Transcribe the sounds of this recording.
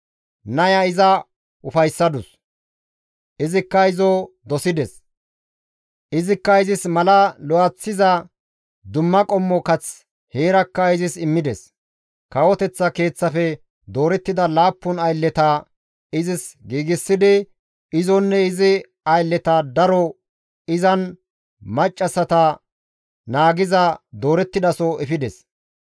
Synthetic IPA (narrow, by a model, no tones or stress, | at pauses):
nɐjɐɪzɐ | ʊfɐjsːɐd̪ʊs | ʔɪzɪkːɐɪzɔ | d̪ɔsɪd̪ɛs | ʔɪzɪkːɐɪzɪsmɐlɐlɔɐt͡sːɪzɐ | d̪ʊmːɐkʼɔmːɔkɐt͡s | heːɾɐkːɐɪzɪsɪmːɪd̪ɛs | kɐwɔt̪ɛt͡sːɐke̞ːt͡sːɐfɛ | d̪o̞ːɾɛt̪ːɪd̪ɐlaːpːʊnɐjlːɛt̪ɐ | ɪzɪsɡiːɡɪsːɪd̪ɪ | ɪzɔnːɛɪzɪ | ɐjlːɛt̪ɐd̪ɐɾɔ | ɪzɐn | mɐt͡ʃʼːɐsɐt̪ɐ | naːɡɪzɐd̪o̞ːɾɛt̪ːɪd̪ɐsɔɛfɪd̪ɛs